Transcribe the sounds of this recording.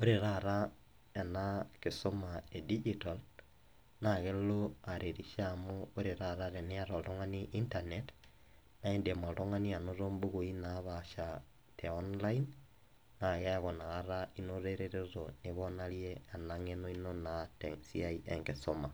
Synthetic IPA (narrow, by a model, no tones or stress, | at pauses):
oɾeɾaɾa | enakesomaedid͡ʒital | naɣeloaɾʔeɾiʃamooɾeɾaɾaɾeneaɾoɾoŋaniʔintanet | naendemoloŋanianoɾombuɣoinaβaʃa | tʰeonlain | naɣeaɣonaɣaɾainoɾeɾeɾezoneβonaljeanaŋenoinonatesiaiʔḛŋkesoma